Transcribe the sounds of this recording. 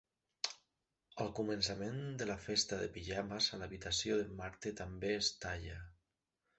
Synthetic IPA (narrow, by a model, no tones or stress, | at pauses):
əlˠkumənsamend̪əlafest̪aðepiʒamasalaβit̪asjoðemaɾt̪et̪ambeːst̪aʎa